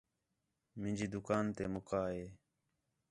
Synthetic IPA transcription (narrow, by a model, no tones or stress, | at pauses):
mɪ̃nʲd͡ʒiːd̪ʊkaːnt̪eːmʊkaːɦeː